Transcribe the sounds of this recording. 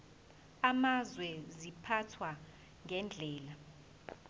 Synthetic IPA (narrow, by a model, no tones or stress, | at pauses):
amazwɛzipʰatʰwa | ŋʱɛnd͡ɮʱɛːla